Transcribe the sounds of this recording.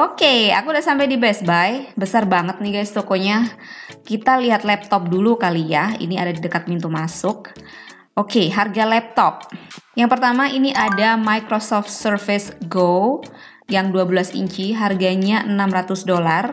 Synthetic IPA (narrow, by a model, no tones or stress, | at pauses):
ʔokea̰kudaʔsampajdibɛsbajbəsarbaŋət̪̚niɡajst̪okoɲakit̪aliɦat̪lɛp̚t̪ɔp̚dulukalijaḭnia̰dadidəkat̪̚mint̪umasʊk̚ | ʔokeɦarɡalɛp̚t̪ɔp̚jaŋpərt̪amaʔiniʔadamajkɾosɔft̪̚sərfɪsɡo | jaŋduabəlasḭɲt͡ʃiɦarɡaɲaʔənamɾat̪ʊsdolar